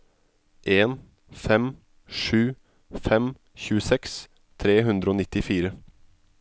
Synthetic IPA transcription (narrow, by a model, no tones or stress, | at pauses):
ʔeːn | fɛm | ʂʉː | fɛm | çʉːəsɛks | t̪ʰɾeːɦʉnd̪ɾəoːnɪt̪ɪfiːɾə